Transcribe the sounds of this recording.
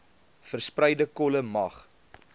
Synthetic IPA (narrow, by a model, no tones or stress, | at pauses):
fərsprəjdəkɔləmɐχ